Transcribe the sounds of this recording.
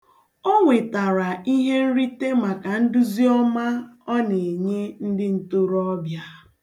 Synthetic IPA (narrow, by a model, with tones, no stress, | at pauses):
o˦ŋʷe˨ta˨ɾa˨i˦ɦe˦n̩˦ɾi˦te˦ma˨ka˨n̩˦dʊ˦zi˦ɔ˦ma˦ɔ˦ne˨ɲe˦n̩˦dɪ˦n̩˦to˦ɾɔ˦bja˦